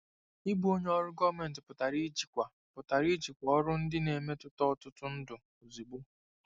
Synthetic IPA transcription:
i˦bu˦o˦ɲe˦ɔ˦ɾʊ˦ɡɔ˦me˨n̩˨tɪ˨pʊ˨ta˨ɾi˦d͡ʒi˨kʷa˨ | pʊ˨ta˨ɾi˦d͡ʒi˨kʷɔ˨ɔ˦ɾʊ˦n̩˦dɪ˦ne˨me˦tʊ˦tɔ˦ɔ˨tʊ˦tʊ˦n̩˦dʊ˨ | o˨zi˨ɡ͡bu˦

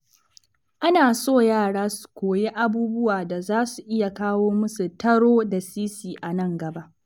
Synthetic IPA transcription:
ʔa˦naː˨soː˦˨jaː˦˨ɽaː˦su̥˨kʷoː˨je˦ʔa˦buː˦bʊ˦waː˨da˨zaː˦su˨ʔɪ˦ja˨kaː˦woː˦mʊ˦su˨tɐ˦ɽoː˦da˨siː˦siː˨ʔa˨nɐ˦ŋɡɐ˨ba˦ʔ

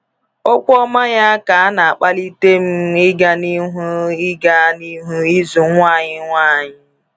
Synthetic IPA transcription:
o˦kʷɔ˦ma˦ɲa˦a˦ka˨a˦na˨a˨k͡pa˦li˦te˦m̩˦ɪ˦ɡa˦ni˦ɦu˦ɪ˦ɡa˦ni˦ɦu˦i˦zʊ˨ŋʷa˦˨ɲɪ˦ŋʷa˦˨ɲɪ˦

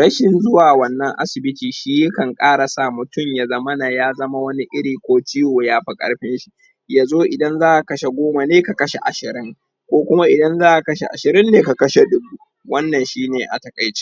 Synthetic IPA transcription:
ɽɐ˦ʃɪ˨nzʊ˦waː˨wɐ˨nːɐ˦ŋʔa̰˦sɪ˨bɪ˦tiː˨ʃiː˦jkɐ˨ŋkʼaː˦ɽa˨sa˦˨mʊ˨tʊ˦˨mja˦zɐ˦mɐ˦na˨jaː˦zɐ˦ma˦wɐ˦ni˦ʔɪ˦ɽiː˨kʷoː˦t͡ʃi˦woː˨jaː˦ɸa˦kʼɐ̰˨ɽɸɪ˦nʃi̥˦ | jaː˨zoː˦ʔɪ˨dɐ˦nzaː˦ʔa˨kɐ˦ʃe˨ɡʷoː˦ma˨neː˦ka˨kɐ˦ʃe˨ʔa̰˨ʃɪ˨ɾɪ˦ŋ | kʷoː˦kʷʊ˦ma˦ʔɪ˨dɐ˦nzaː˦ʔa˨kɐ˦ʃe˨ʔa̰˨ʃɪ˨ɾɪ˦nːeː˨ka˨kɐ˦ʃe˨dʊ˦bu˦ | wɐ˦nːɐ˨nʃiː˦neː˨ʔa̰˨tɐ˨kʼɐ˨jt͡ʃe̥˦

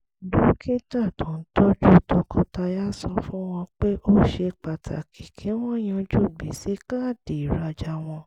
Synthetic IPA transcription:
du˨˦kʰĩ˦ta˦˨tɔ̃˨n̩˦tɔ˦d͡ʒu˦˨tɔ̃˧kʰɔ˧ta˧ja˦sɔ˧fũ˦w̃ɔ̃˧k͡pe˦ʔo˦ʃe˧k͡pa˨tʰa̰˨kʰi˨kʰe˨˦w̃ɔ̃˦j̃ã˧d͡ʒu˦˨ɡ͡bi˨˦si˨˦ka˦˨de˨i˨ɾa˧d͡ʒa˧˦w̃ɔ̃˧

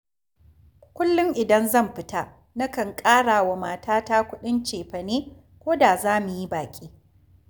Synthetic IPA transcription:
kʷʊ˦lːʊ˦ŋʔɪ˨dɐ˦nzɐ˦˨mɸɪ˦ta˦ | na˦kɐ˨ŋkʼaː˦ɽaː˨wa˨maː˨taː˦ta˦kʷʊ˦ɗɪ˦nt͡ʃeː˨ɸɐ˨neː˦ | kʷoː˦da˨zaː˦mu˨ji˦baː˨kʲʼiː˦

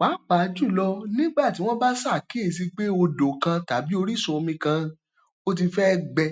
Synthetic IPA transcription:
k͡pa˨˦k͡pa˨˧˦d͡ʒu˦˨lɔ˧nĩ˦ɡ͡ba˦˨ti˦w̃ɔ̃˦ba˦sa˦˨ke˨˦˨s̬i˧k͡pe˦o˧do˨kã˧ta˨bi˨˦o˧ɾi˦sɔ˧o˧mĩ˧kã˧˦ | o˦t̬i˧fɛ˦ɡ͡bɛ˧

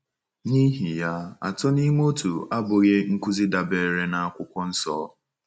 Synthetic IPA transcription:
ɲi˦ɦi˨ja˦a̰˨tʊ˦ni˦m˦o˦tu˨a˦bʊ˨ɣe˦ŋ̩˦ku˦zi˦da˨be˨ɾe˦na˨a˨kʷʊ˦kʷɔ˦n̩˦sɔ̰ː˦

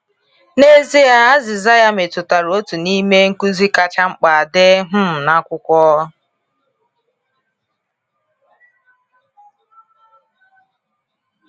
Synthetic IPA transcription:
ne˦zi˦ja˦a˦zɪ˨za˦ja˦me˨tʊ˨ta˨ɾo˦tu˨ni˦me˦ŋ̩˦ku˦zi˦ka˦t͡ʃa˦ŋ͡m̩˦k͡pa˨a˨de˦ɦʊ˦m̩˨na˦kʷʊ˦kʷɔ˦

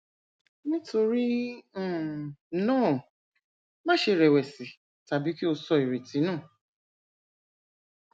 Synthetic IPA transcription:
nĩ˦to˧ɾĩ˦ | nõ˦˨ | mã˦ʃe˧˨ɾɛ˨wɛ˨si˨˦ | ta˨bi˨˦ki˦o˧sɔ˧˨i˨ɾe˨ti˨˦nãː˦˨

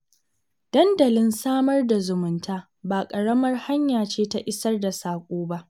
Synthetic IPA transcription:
d̥ɐ˦ndɐ˨lɪ˦nsaː˦mɐ˦rda˨zʊ˨mʊ˨ntaː˦ | baː˨kʼɐ˨ɽɐ˦mɐ˦rha˦ɲjaː˨t͡ʃeː˦ta˦ʔɪ˦sɐ˦rda˨saː˨kʷʼoː˦ba˦ʔ

